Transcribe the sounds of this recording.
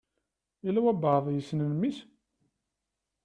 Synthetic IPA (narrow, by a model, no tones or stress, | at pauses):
ilæwæbəðˤjəsnənmis